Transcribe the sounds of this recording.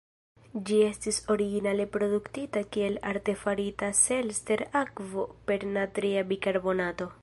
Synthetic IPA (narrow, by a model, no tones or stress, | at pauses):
d͡ʒie̞stiso̞ɾiɡinale̞pɾo̞duktitakie̞la̰ɾte̞faɾitase̞lste̞ɾakvo̞pe̞ɾnatɾiabikaɾbo̞nato̞